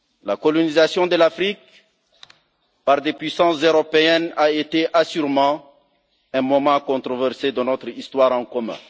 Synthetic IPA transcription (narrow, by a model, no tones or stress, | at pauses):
lakɔlɔnizasjɔ̃d̪əlafχik̚ | paʁd̪epɥisɑ̃szøʁɔpeɛnaet̪eʔasyʁmɑ̃ | ɛ̃mɔmɑ̃kɔ̃t̪ʁɔvɛʁsed̪ənɔt̪χist̪waʁɑ̃kɔmɛ̰̃